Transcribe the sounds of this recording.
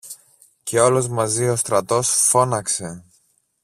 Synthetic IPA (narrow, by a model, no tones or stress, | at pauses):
ce̞o̞lo̞zmɐzio̞st̪ɾɐt̪o̞sfo̞nɐkse̞